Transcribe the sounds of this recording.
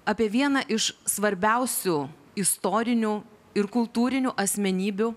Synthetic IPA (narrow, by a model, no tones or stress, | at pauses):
ɐpʲiɛʋʲiɛnɐʔɪʃsʋɐɾʲbʲɛʊsʲuː | ɪst̪oːɾʲɪnʲuː | ɪɾkʊlˠt̪uːɾʲɪnʲuːʔɐsʲmʲɛnʲiːbʲʊ